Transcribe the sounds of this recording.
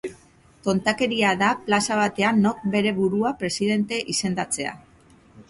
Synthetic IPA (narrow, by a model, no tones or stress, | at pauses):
t̪o̞nt̪ake̞ɾiaðaplasaβ̞at̪e̞anːo̞k̚be̞ɾe̞βuɾuapɾe̞siðe̞nt̪e̞ʔise̞nd̪at͡se̞a̰